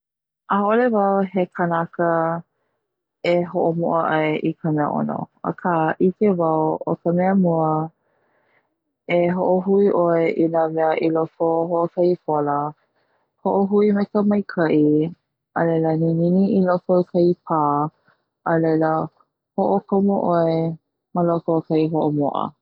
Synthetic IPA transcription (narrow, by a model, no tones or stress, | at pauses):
ʔaolevawɦekʰənakə | eɦoʔomoʔəʔɐjʔikʰəmeə̰ʔo̰no̰ə̰kʰaʔikevɐwokəmɛəmuə | eɦoʔoɦuiʔoeʔinameəʔilofoɦoʔokɐjpolə | hoʔoɦuimekəmɐjkʰɐʔi | ʔəlejlənininiʔilokokʰɐipʰaː | ʔəlejlə | hoʔokʰomoʔoe | məlokokɐiɦoʔomo̰ʔə̰